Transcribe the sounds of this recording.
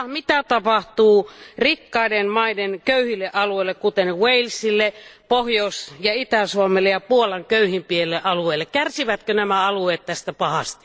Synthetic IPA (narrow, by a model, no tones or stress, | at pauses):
mit̪æt̪ɑpɑht̪uːrikːɑidenmɑidenkøyhilːeʔɑlueˑilːekkut̪enweilsilːepohjousjɑit̪æsuomelːejɑpuolɑŋkøyhimpielːeʔɑlueːlːekkærsiʋæt̪kønæmæɑlueːt̪t̪æst̪æpɑhɑst̪i̥